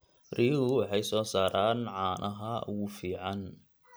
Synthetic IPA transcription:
riːɣʊwɑħɑjsɔːsaːɾʔaːnʕɑːnʔɐɦɐɣʊfiːʕɑn

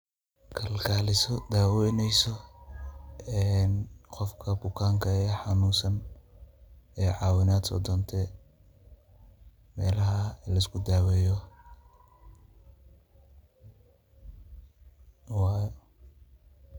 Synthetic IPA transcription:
kʰɐlkʰaːlɪsɔd̪aːwɛnɛjsɔ | ɛːnqɔfkʰɐbʊkʰaːŋkʰɐɛːħɑnuːsɐn | ɛːʕɑːwɪnaːd̪sɔ̰d̪ɔnt̪ʰɛ | mɛːlɐɦɐlɐɪskʰʊd̪aːwɛːjɔ | wj

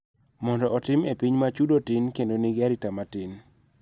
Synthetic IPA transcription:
mɔndɔʔːtɪmepiɲmat͡ʃudotɪnkendoniɡaɾitamatɪn

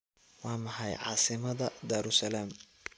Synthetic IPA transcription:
wɑːmɐħɑjʕɑ̰ːsɪmɐðɐd̪aːɾʊsɐlaːm

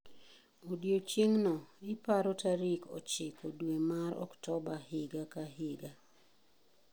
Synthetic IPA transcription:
odjot͡ʃeŋnɔɪpaɾotaɾikʰɔ̰t͡ʃɪkʰodwemaɾɔ̰ktɔbahɪɡakaɦɪɡa

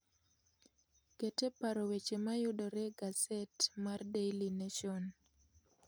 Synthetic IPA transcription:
ɡ̥etepaɾowet͡ʃemajʊdɔɾeɡasɛtmardejlinaʃɔn

